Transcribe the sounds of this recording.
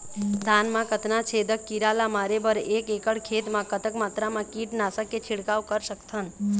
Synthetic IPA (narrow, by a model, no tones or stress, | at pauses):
d̪ʱanmãkət̪nat͡ʃʰed̪əkːiɾalamaɾebəɾekekəɽkʰet̪mãkət̪əkmat̪ɾamãkiʈnasəkːet͡ʃʰɪɽkaʋkəɾsəkt̪ʰən